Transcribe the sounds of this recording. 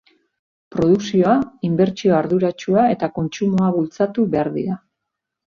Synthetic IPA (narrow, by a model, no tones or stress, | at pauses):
pɾo̞ð̞uksio̞aimbe̞ɾt͡ʃio̞aɾðuɾat͡ʃuae̞t̪ako̞nt͡ʃumoaβult͡sat̪uβe̞aɾðḭɾa